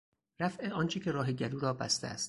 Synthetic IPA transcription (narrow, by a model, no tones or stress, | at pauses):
ɾæfʔeʔɒːnt͡ʃʰecʲʰe̞ɾɒːɦeɟæluːɾɒːbæ̰st̪ḛæ̰st̪̚